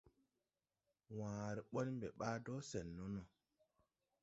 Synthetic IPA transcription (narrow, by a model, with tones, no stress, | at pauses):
wãː˨ɾɛ˨ɓɔ˦n˦mbɛ˨ɓaː˦dɔ˦sɛ˨nːo˦no˨